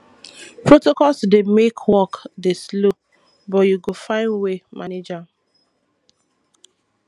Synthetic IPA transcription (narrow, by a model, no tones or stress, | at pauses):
pɹotokɔlsdemekʰwɔkdeslo | bɔjuɡofãɪ̃nwemʔaned͡ʒa